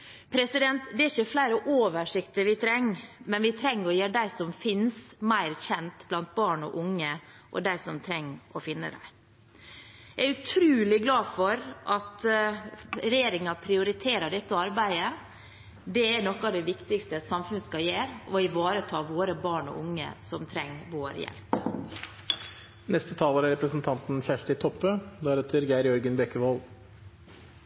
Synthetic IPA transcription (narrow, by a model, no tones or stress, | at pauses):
pʰɾɛsɪd̪ɛnt̪d̪ɛæɾçəflæɪɾəʔoːʋəʂɪkt̪əɾʋɪt̪ʰɾɛŋːmɛnʋɪt̪ʰɾɛŋːɾɔjeːɖæɪsɔmfɪnsmæɪɾçɛnt̪blɑnt̪̚bɑːɳɔ̰ʔʊŋːə | ʔɔ̰d̪æɪsɔmt̪ʰɾɛŋːʔɔfɪnːə̰d̪æ̰ɪ | jææɾʉt̪ʰɾʉːlɪɡlɑːfɔɾʔɑt̪ | ɾɛjeːɾɪŋɑpʰɾɪʊɾɪt̪ʰeːɾɑɖɛt̪ːəɑɾbæɪə | d̪ɛæɳɔkːɑʋd̪ɛʋɪkt̪ɪkst̪əsɑmfʉnskɑjeːɾɔɪʋɑːɾət̪ʰɑːʋoːɾəbɑːɳɔ̰ʔʊŋːə̰sɔmt̪ʰɾɛŋːʋoːɾjɛ̰lp | nɛst̪ət̪ʰɑːləːɾæɾɛpɾəsn̩t̪ʰɑnt̪n̩çæʂʈɪt̪ʰɔpːəd̪ɑːɾɛt̪ʰəɾɡæɪɾjɔɾɡənbɛkːəʋɔl